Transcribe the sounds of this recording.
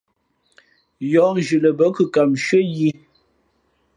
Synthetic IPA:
jɔ˨˦ŋ˨ʒʉ˨lə˨bə˦kʉ˨ka˨mʃɥə˦ji˦

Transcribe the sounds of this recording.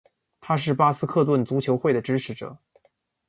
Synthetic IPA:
t̪ʰa˥ʂ̬ɻ̩˥˩pa˥sɹ̩˥kʰɤ˥˧t̪wə˥˩nt͡su˧˥t͡ɕʰjo˧˥ʊxwe˥˩ɪd̪ə˩ʈ͡ʂɻ̩˥ʈ͡ʂʰɻ̩˧˥ʈ͡ʂɤ̰˨˩˦

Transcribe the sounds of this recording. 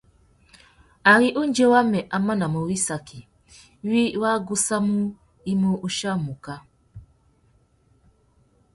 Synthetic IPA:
a˨ɾi˦ʔu˦n˦d͡ʒe˦wa˦me˨ʔa˨ma˦na˨mo˨wi˦sa˨kʰi˨˦ | wi˦wa˦ɡu˦sa˦mu˦ | i˦mo˦ʔu˦ʃa˦˨mu˨ka˦

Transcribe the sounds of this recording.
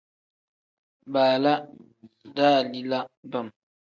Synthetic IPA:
ɓaː˨la˦ | daː˦˨li˦la˦ba˦˨m

